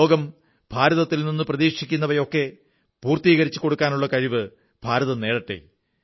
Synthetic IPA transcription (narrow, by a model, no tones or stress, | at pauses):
oːɡɐm | b̥ʱaːɾɐðɐt̪ːilninːɨprɐðiːkʂikʲːunːɐʋɐjo̞kːe̞ | puːrt̪iːɣɐɾit͡ɕːɨko̞ɽukːaːnuɭːɐkɐɻiʋɨ | b̥ʱaːɾɐðɐne̞ːɽɐʈːḛ